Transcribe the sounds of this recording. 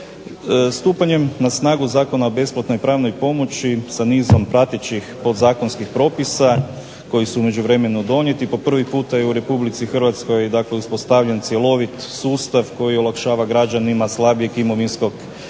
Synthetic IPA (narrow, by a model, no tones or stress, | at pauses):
st̪uːpaɲe̞mnasnaːɡuzaːko̞naobe̞splat̪no̞jpɾaːʋnojpo̞mo̞t͡ʃisaniːzo̞mpɾat̪et͡ʃixpo̞d̪zaːko̞nskixpɾo̞ːpisa | ko̞jisuume̞d͡ʒuʋɾe̞me̞nud̪o̞ɲje̞t̪ipo̞pr̩ʋipuːt̪ajeuɾe̞publit̪sixr̩ʋat̪sko̞jd̪akleuspo̞st̪aʋʎent̪sjelˠo̞ʋit̪suːst̪aʋko̞jio̞lakʃaːʋaɡɾad͡ʒanimaslˠabijekimo̞ʋinsko̞ɡ